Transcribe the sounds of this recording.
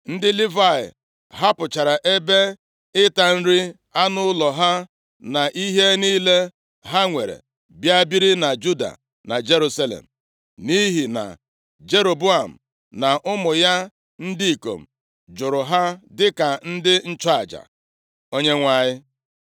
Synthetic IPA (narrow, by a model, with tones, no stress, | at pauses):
n̩˦dɪ˦li˦va˦˨ɪ̰˨ | ɦa˦pʊ˨t͡ʃa˨ɾa˨ʔe˦be˦ | ɪ˦ta˨n̩˦ɾɪ˦ | a˦nʊ˦lɔ˨ɦa˦ | na˨ʔi˦ɦe˦niː˦le˦ | ɦa˦ŋʷe˨ɾḛ˨ | bja˦bi˦ɾi˦na˨d͡ʒu˦da̰˨ | na˨d͡ʒe˦ɾu˦sa˦lḛ˨m̩˨ | ni˦ɦi˨na̰˨ | d͡ʒe˦ɾo˨bu˦a˨m̩˨ | na˨ʔʊ˦mʊ˨ja˦ | n̩˦di˦i˨ko̰˨m̩˨ | d͡ʒʊ˨ɾʊ˨ɦa˦dɪ˦ka˨n̩˦dɪ˦n̩˦t͡ʃa˦a˨d͡ʒa̰˨ | o˦ɲe˦ŋʷa˨ɲɪ˦